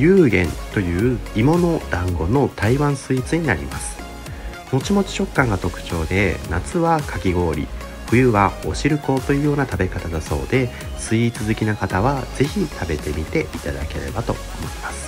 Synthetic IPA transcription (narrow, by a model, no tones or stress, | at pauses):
jɯːɡẽ̞nt̪o̞jɯ̟ːimo̞no̞d̪̥ãŋɡo̞no̞t̪aiβãɰ̃sɨit͡sɨɲ̟inaɾʲḭmasɨ̥ | mo̞t͡ɕimo̞t͡ɕi̥ɕo̞kːãŋɡat̪o̞kɯ̟̥t͡ɕo̞ːd̪e̞nat͡sɨβakʰakʲiɡo̞ːɾʲḭ | ɸɯ̟jɯ̟βao̞ɕiɾɯ̟ko̞t̪ːo̞jɯ̟ːjo̞ːnat̪abe̞kat̪ad̪aso̞̰ːd̪e̞ | sɨit͡sɨzɨkʲinakat̪aβaz̥e̞çit̪ʰabe̞t̪e̞mʲit̪e̞ʔit̪ad̪a̰ke̞̰ɾe̞̰bat̪o̞̰omo̞imasɨ̥